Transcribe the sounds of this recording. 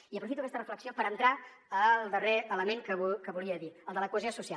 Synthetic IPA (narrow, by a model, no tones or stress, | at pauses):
iəpɾufit̪uəkɛst̪ərəfləksiopəɾənt̪ɾa | əlˠd̪əreələmeŋkəkəβuliəðiəlˠd̪ələkuəzjosusia